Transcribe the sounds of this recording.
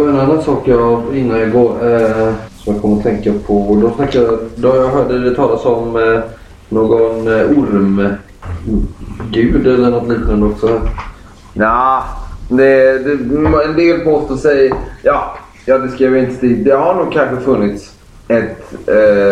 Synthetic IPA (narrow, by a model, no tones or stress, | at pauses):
ɛnanːansɑːkjɑɪnːaɪɡoːɾ | sɔmjɑkʰɔməɾɔt̪ʰɛŋkapʰɔd̪ɔsnakːajad̪ɔjɑɡɦœːɖəd̪ɛt̪ʰɑːlasɔm | noːɡɔnʊɾm | ɡʉ̟ːd̪ɛlːəɳɔt̪liːt̪ənand̪ɔksɔ | jaːd̪ɛd̪ɛɛnd̪eːlpoːst̪oːsɛjjɑː | jɑːd̪ɛskɾiːvəɾɪnt̪ə̥st̪iːd̪̚d̪ɛhaɳuːɡ̚kʰanɧəfɵnːɪt̪s | ɛt̪